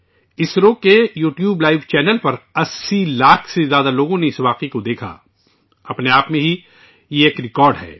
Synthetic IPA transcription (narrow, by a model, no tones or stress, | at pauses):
ɪsɾoːkejuːʈjuːblaːɪʋt͡ʃɛːnəlpɐɾɐsːilaːkʰsezjaːd̪aloːɡõneɪsʋaːqikod̪eːkʰa̰ | ɐpneaːpmẽɦi | jeeːkɾɪkɔːɾɖɦɛ̰ː